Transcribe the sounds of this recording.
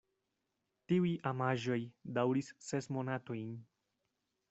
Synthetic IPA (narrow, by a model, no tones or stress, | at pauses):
tiujʔamaʒo̞jdawɾissesmo̞nato̞jn